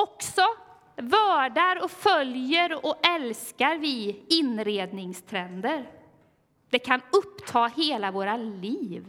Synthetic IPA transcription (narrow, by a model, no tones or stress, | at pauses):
ɔksɔ | vœːɖaɾɔfœljəɾɔʔɛlskaɾvɪɪnɾeːd̪nɪŋst̪ʰɾɛnd̪əɾ | d̪̥ɛkʰanɵpːt̪ʰɑːheːlavoːɾaliːv